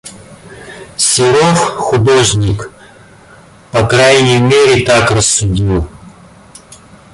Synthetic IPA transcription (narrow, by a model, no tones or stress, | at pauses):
sʲɪɾofxʊd̪oʐnʲɪk | pɐkɾajnʲəjmʲeɾʲɪt̪akrəsːʊdʲilˠ